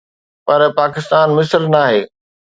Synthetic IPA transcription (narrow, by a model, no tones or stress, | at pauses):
pɐɾpaːkɪst̪aːnmɪsɾnaːɦeː